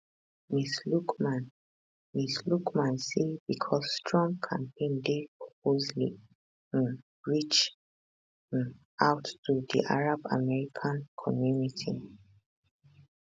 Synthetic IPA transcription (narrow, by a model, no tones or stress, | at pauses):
mislukman | mislukmãnsibikʰɔsːtʰɹɔ̃ŋkʰã̰mpʰẽndepɹɔp̚ozlḭ̃ | ɹit͡ʃ | aʊtːudḭʔaɹaba̰mɛɹikʰãnkʰɔmjunitʰi